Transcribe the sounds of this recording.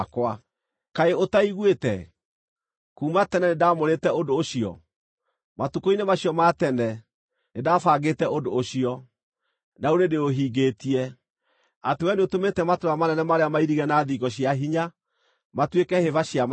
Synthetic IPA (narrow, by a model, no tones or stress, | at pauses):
kwa | kaeotaiɣwetɛ | kuːmatɛnɛnedamoɾetɛodoːɕiɔ̰ | matukoinemaɕijɔmatɛnɛ | nedafaːɡetɛodoːɕiɔ | naoɾedeoɦiːɡetiɛ | atewɛneotometɛmatoɾamanɛnɛmaɾeamaiɾiɣɛnaðiɡɔɕjaɦiɲa | matwekɛhevaɕiam